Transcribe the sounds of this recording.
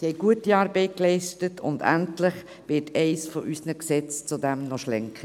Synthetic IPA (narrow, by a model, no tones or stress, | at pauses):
hɛɪɡ̥uətiɑːɾbɛɪt̚klɛɪʃtətʰʊ̰ndæ̰ntlɪχ | ʋɪtʰɛɪsfɔʔysnəksɛt͡st͡sʊdɛmnɔʃlɛŋkʰə